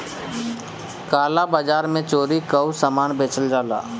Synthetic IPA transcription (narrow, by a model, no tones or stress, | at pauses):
kaːlabad͡ʒaːɾmẽt͡ʃoːɾikəusamaːnbeːt͡ʃəld͡ʒaːla̰ː